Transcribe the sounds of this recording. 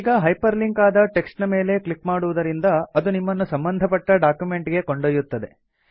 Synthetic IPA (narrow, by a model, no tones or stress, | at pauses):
iːɡɐɦɐjpɐɾliŋkaːd̪ɐʈe̞ksʈnɐmeːle̞klikmaːɽuʋud̪ɐɾind̪ɐɐd̪unimːɐnːusɐmbɐnd̪ʱɐpɐʈːɐɖaːkjume̞ɳʈiɡe̞ko̞ɳɖoːjut̪ːɐd̪e̞̰